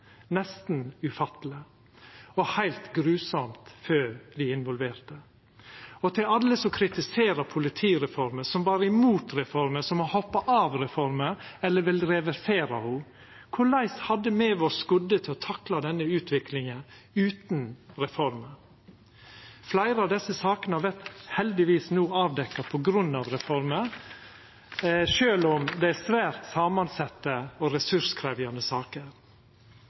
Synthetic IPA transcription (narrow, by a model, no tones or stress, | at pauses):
nɛst̪n̩ʉfɑt̪ələ | ɔhæɪlt̪ɡɾʉːsɔmt̪føːd̪ɪɪnʋɔlʋeːɾt̪ə | ɔt̪ʰɪlɑlːəsɔkʰɾɪt̪ɪseːɾəpʰʊlɪt̪ʰiːɾɛfɔɾməsɔmʋɑːɾəɪmuːt̪ɾɛfɔɾməsɔmɔhɔpːɑʔɑːʋɾɛfɔɾməɛlːəʋɪlɾɛʋɛɾseːɾɑ̰hu | kʰʊɭɑɪshɑd̪ːəmeːʋoːskʉd̪ət̪ʰɪlɔt̪ʰɑklɑd̪ɛnːəʉːt̪ʰʋɪklɪŋə | ʉːt̪nɾɛfɔɾmə | flæɪɾəɑːʋd̪ɛsːəsɑːkənəɑʋɛɾt̪hɛld̪ɪʋiːsnuːɑːʋd̪ɛkːɑpʰɔɡɾʉnːɑʋɾɛfɔɾmə | ʂøːlɔmd̪ɛæsʋæːɾt̪sɑːmɑnsɑt̪ːəɔɾɛsʉskʰɾɛʋjɑnəsɑːkəɾ